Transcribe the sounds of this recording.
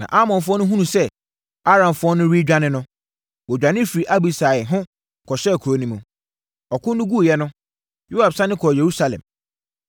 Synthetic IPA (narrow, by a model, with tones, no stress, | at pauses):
nã̰˨ʔa˦mɔ̃˨nfʊ˦ɔ˦nʊ̃˦ɦũ˦ũ˨sɛ˦ | a˦ɾã˨mfʊ˦ɔ˦nʊ̃˦ɾi˦d͡ʑᶣa˦nɪ̃˦nʊ̃˦ | wɔ˨d͡ʑᶣã˨nɪ̃˦fi˨ɾi˨ʔa˦bi˨sa˨ɛ˨ɦʊ̃˦ | kʰɔ˨ɕɛ˦˨kʰu˨ɾo˨˦nĩ˦mʊ̃˨ | ɔ˨kʰʊ̃˦nː˦ʊ̃˦ɡu˦˨jɛ˦nʊ̃˦ | jo˦ha˨bsã˦nɪ̃˦kʰɔ˨je˨ɾu˦sa˨lɛ̰̃˨m